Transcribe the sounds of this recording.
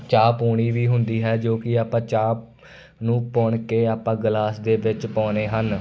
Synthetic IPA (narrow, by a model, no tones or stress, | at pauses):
t͡ʃaːpoːɳiːʋiːɦʊnd̪iːɦɛːd͡ʒoːkɪaːpãːt͡ʃaːp̚ | nũːpɔːɳkeːaːpãːɡlaːsd̪eːʋɪt͡ʃpɔ̃ːneːɦən